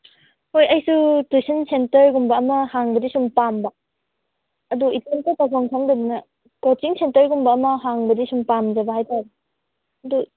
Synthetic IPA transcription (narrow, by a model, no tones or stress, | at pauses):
hojɐjsutusɐnsentɐɾɡumbɐɐmɐhaŋbɐdisumpambɐ | ɐduitemtɐtawsaŋsʰaŋdɐbinɐ | kot͡ʃiŋsentɐɾɡumbɐːmɐɦaŋbɐdisumpamd͡ʒɐbɐhajtabi | ɐdu